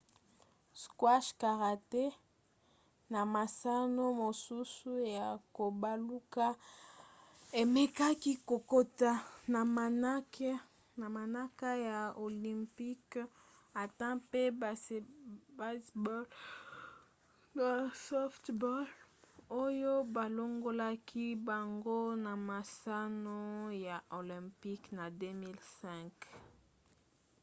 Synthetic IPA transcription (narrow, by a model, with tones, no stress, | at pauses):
skwa˦ʃka˨ʁa˨te˦ | na˨ma˨sa˦no˦mo˨su˦su˦ja˨ko˨ba˨lu˦ka˦ | e˨me˦ka˦ki˦ko˨ko˦ta˦na˨ma˨na˦k | na˨ma˨na˦ka˦ja˨o˨li˨mpi˦k | a˨tã˦pe˦˨ | ba˦sbl | sɔ˦ftbɔ˦lo˦jo˦ba˨lo˦ŋɡo˦la˦kʰi˦ba˨ŋɡo˦na˨ma˨sa˦no˦ja˨ʔo˨lɛ̃˨mpi˦kna˨de˦mi˦lsɛ̃˦˨ŋk